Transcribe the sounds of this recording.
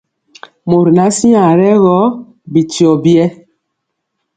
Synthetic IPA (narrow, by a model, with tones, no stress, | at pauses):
mo˨ɾi˨na˦sĩ˦a˨ɾɛ˦ɣɔ˦ | bi˨ti˨ɔ˨bi˦ɛ˦